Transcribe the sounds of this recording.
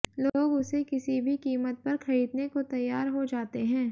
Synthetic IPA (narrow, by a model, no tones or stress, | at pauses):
loːɡʊsekɪsibʱikiːmət̪̚pɐɾxɐɾiːd̪nekot̪ɐjːaːɾɦod͡ʒaːt̪eɦɛ̃ː